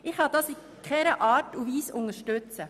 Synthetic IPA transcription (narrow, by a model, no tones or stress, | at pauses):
ʔɪχhɑd̥ɑsi | kχɛɾəʔɑːtuviːsʊŋəʃtʉt͡sə